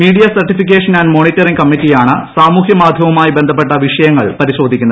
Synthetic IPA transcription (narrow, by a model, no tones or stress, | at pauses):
miːɽijɐsɐrʈːifik̬ʲːeːʂɐnanɖmo̞ːɳitːɐriŋkɐmːitːijaːɳɨsaːmuːhjɐmaːd̪ʱjɐmɐmaːjibend̪ʱɐpːe̞ʈːɐʋiʂɐjɐŋːɐɭpɐɾiɕo̞ːd̪ʱikʲːunːɐð